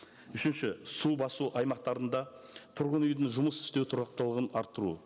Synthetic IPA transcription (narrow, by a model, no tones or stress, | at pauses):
ʏʃɪnʃɪsubɑsuʔɑjmɑq̚t̪ɑɾənd̪ɑ | t̪ʰʊɾʁənʏjd̪ɪŋʒʊməsɪ̥st̪ewt̪ʰʊɾɑq̚t̪əlˠəʁənɑɾt̪ːəɾṵ